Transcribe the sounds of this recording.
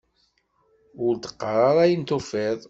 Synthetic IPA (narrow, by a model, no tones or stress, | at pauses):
ʊɾt̪ə̥qːɾˤɑɾˤæjənt̪ofɪðˤ